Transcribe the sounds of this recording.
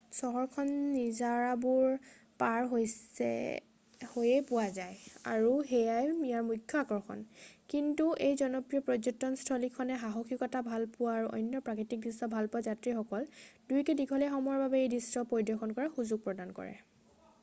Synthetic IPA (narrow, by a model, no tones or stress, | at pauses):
sɔɦɔɹkʰɔnːizaɹabuɹ | paɹɦojsɛ̰ | hojɛpʊwazaja̰ɹuɦejajmijaɹmukʰːɔaɡɔɹxʰɔ̰nkintuʔejzɔnɔpɹijɔpɹɔzɔtːɔnstʰɔlikʰɔnɛɦaɦɔxʰikɔtabʱalpʊwaːɹuʔɔ̰jnːɔpɹakitik̚disɔbʱalpʊwazatɹixɔkɔldujkɛdiɡʰʱɔlɛxɔmɔjɔɹbabɛejdistɔpoɹidɔxɔnkɔɹaxuzuɡ̚pɹɔdankɔ̰ɹɛ̰